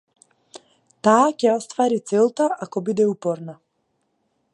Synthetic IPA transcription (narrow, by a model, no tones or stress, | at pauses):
t̪aːcɛɔst̪vaɾit̪sɛlˠt̪aʔakɔbid̪ɛupɔɾna